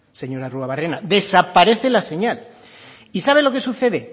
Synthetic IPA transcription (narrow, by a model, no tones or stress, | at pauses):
se̞ɲo̞ɾaruaβarenad̪e̞sapaɾe̞θe̞lase̞ɲal | isaβ̞e̞lo̞ke̞suθe̞ðe̞